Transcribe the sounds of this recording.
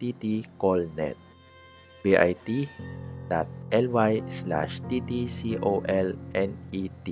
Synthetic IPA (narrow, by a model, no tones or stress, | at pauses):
t̪it̪ikɔlnɛ̰t̪̚ | beʔa̰jt̪id̪̥at̪̚ʔɛlwajsla̰ʃt̪it̪isiʔoʔɛlʔɛnit̪i